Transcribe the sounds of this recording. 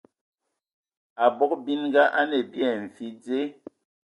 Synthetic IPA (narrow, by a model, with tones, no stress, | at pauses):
a˨bɔ˦k̚bi˦nɡa˦ʔa˦ne˨bjɛ˨ɱ̩˨fi˨˦d͡ze˦